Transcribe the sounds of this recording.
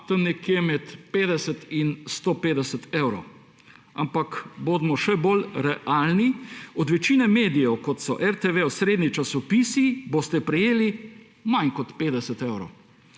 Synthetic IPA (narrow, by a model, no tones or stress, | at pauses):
t̪əmnɛkjemɛt̪peːd̪ɛsət̪inst̪oːpeːd̪ɛsət̪ewɾow | ampakboːd̪mɔʃɛbolɾɛʔalniɔd̪ʋɛt͡ʃiːnɛmeːd̪ijɛwkɔt̪sɔʔɛɾt̪eʋewsɾeːd̪nit͡ʃasɔpiːsibost̪ɛpɾɛjeːli | mankɔt̪peːd̪ɛsət̪eːwɾo̰